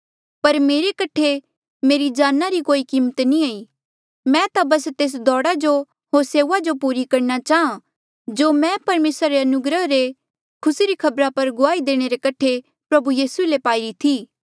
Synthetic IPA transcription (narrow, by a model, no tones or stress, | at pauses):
pɐɾmeːɾekɐʈʰe | meːɾid͡ʒaːnːaɾikoːikiːmət̪nĩaːi | mɛ̃t̪abɐst̪eːs̬d̪ɔːɽad͡ʒo | ɦoːɾseːʋad͡ʒopuːɾikɐɾnat͡ʃaːɦã | d͡ʒoːmɛ̃pɐɾmeːsɾaɾeɐnʊɡɾəɦɾe | kʰʊsiɾikʰɐbɾapɐɾɡʊaːid̪eːɽ̃eɾekɐʈʰe | pɾɐbujiːsuelepaːiɾit̪ʰiː